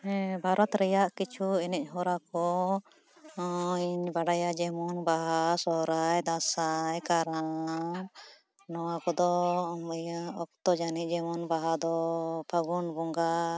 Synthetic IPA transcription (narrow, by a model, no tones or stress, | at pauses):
bʱaɾɔt̪ɾɛjaʔkit͡ʃʰuɛnɛc̚ˀɦɔɾakɔ | iɲbaɽajad͡ʒɛmɔnbaɦasɔɦɾajd̪asajkaɾa | nɔwakɔd̪ɔ | ɔkt̪ɔd͡ʒanid͡ʒɛmɔnbaɦad̪ɔpʰaɡɔnbɔŋɡa